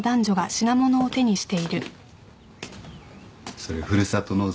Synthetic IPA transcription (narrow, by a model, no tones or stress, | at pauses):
d̪ãɲ̟d͡ʑo̞ɡaɕinamo̞no̞ːt̪e̞ɲ̟iɕi̥t̪e̞iɾɯ̟ | soɾeɸɯ̟ɾɯ̟sat̪ono